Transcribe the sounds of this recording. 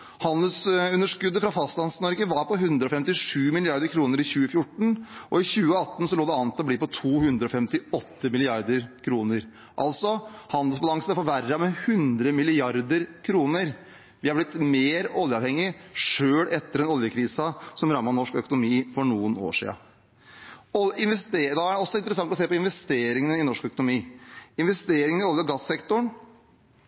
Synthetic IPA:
hɑnd̪əlsʉnːəʂkʉd̪ːəfɾɑfɑst̪lɑnsnɔɾɡəʋɑɾpɔɦʉnd̪ɾəɔfɛmt̪ɪʂʉːmɪlɪɑɾd̪əɾkʰɾuːnəɾɪçʉːəfjʊʈːɳ̩ʔɔɪçʉːəɑt̪ːn̩sɔloːd̪ɛɑːʋnt̪ːɔb̪iːpɔt̪ʰuːhʉnd̪ɾɔfɛmt̪ɪɔt̪ːəmɪlɪɑɾd̪əɾkʰɾuːnəɾ | ʔɑ̰lt̪sɔhɑnd̪əlsbɑlɑŋsnfɔʋæɾɑmɛhʉnd̪ɾəmɪlɪɑɾd̪əɾkʰɾuːnəɾ | ʋɪhɑɾblɪt̪meːɾɔljəɑʋhɛŋːɪʂøːɽɛt̪ːəɾɛnɔljəkʰɾiːsəsɔmɾɑmːɑnɔʂkœkʊnʊmiːfɔɳuːəno̰ːʂḭːɑ̰ | ɔɪnʋɛst̪eːd̪ɑæɖɛɔsːɔɪnt̪ɾəsɑŋt̪ɔseːpɔɪnʋɛst̪eːɾɪŋənəɪnɔʂkœkʊnʊmiːɪnʋɛst̪eːɾɪŋənɪɔljəɡɑsːɛkt̪ʊɳ

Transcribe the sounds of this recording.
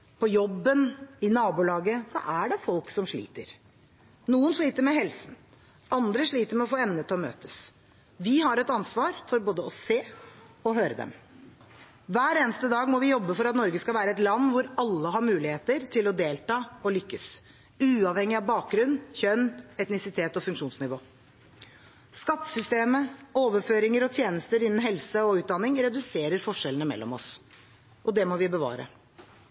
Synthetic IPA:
pʰɔjɔbːənɪnɑːbulɑːɡəsɔ̰ʔæɖɛfɔlksɔmʂɭḭːt̪ə̰ɾ | nuːənʂɭiːt̪əɾmɛɦɛlsn̩ | ɑnd̪ɾəʂɭiːt̪əɾmɛɔfoːɛnːət̪ːɔmø̰ːt̪əs | ʋɪɦɑɾɛt̪ɑnsʋɑːɾfɔɾboːd̪əɔseːɔɦøːɾəd̪ɛ̰m | ʋæːɾeːnəst̪əd̪ɑːɡmɔʋɪjɔbːəfɔɾɑt̪nɔɾɡəskɑlʋæːɾəɛt̪lɑnːʋʊɾɑlːəɦɑɾmʉːlɪheːt̪əɾt̪ʰɪlɔd̪eːlt̪ɑːɔlʏkːəs | ʉːɑʋhɛŋːɪɑʋbɑːk̚ɡɾʉnːçœnːɛt̪nɪsɪt̪ʰeːt̪ɔfʉŋkʂuːnsnɪʋoː | skɑt̪ːə̥sʏst̪eːməoːʋəɾføːɾɪŋəɾɔt̪ʰjeːnəst̪əɾɪnən̩ɦɛlsəɔʉːt̪̚d̪ɑnːɪŋɾɛd̪ʉseːɾəɾfɔʂɛlnəmɛ̰lːɔ̰mɔs | ʔɔd̪ɛmɔʋɪbəʋɑ̰ːɾə̰

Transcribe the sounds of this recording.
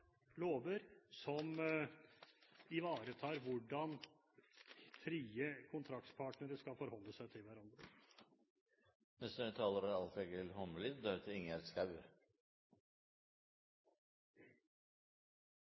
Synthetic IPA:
loːʋəɾsɔm | ɪʋɑːɾət̪ʰɑːɾʋʊɖɑn | fɾiːəkʰʊnt̪ʰɾɑkt̪pʰɑːʈnəɾəʂkɑfɔɾhɔlːəsæɪt̪ʰɪlʋæɾɑnd̪ɾə | nɛst̪ʰɑːləɾæɾɑlfɛɡəɪlhɔmliːd̪œɾt̪ʰəɪŋːəɛt̪skɑʉ

